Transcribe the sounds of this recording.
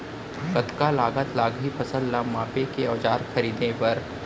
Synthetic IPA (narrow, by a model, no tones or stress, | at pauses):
kɐt̪kalaːɡət̪laːɡɦipʰɐsəllamaːpekeɔːd͡ʒaːɾxɐɾiːd̪ʱẽpɐɾ